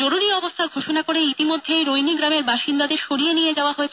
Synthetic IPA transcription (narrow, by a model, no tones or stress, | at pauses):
oɾuɾiɔbost̪ʰaɡʱoʃonakoɾeit̪imod̪ʱːejɾojniɡɾameɾbaʃind̪ad̪eɾʃoɾienied͡ʑaoaɦoet͡ɕʰ